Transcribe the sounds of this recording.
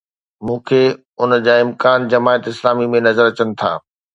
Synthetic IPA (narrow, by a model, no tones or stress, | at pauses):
mũːkʰeː | ʊnəd͡ʑaːɪ̃mkaːnd͡ʑɐmaːət̪ɪslaːmimẽnɐzəɾɐt͡ɕənɪ̆t̪ʰa̰ː